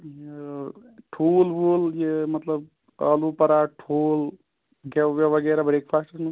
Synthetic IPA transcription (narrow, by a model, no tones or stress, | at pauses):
je | ʈʰulbuljemɐt̪ləb̚ | əlupəɾaʈʰul | ɡeʋeʋəɡɛɾabɾekpʰaːsʈəɾn